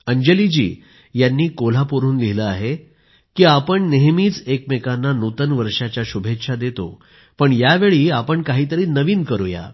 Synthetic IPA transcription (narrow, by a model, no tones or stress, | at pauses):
əɲd͡ʑelid͡ʑḭː | janːiːkol̤apuɾuːnliləaɦe | kiːapəɳneɦmiːt͡sekmekanːanut̪ənʋəɾʂat͡ɕjaɕubʱet̪ʂʰad̪et̪o̰ | pəɳjaʋeɭiːapəɳkaɦiːt̪əɾiːnəʋiːnkəɾuja̰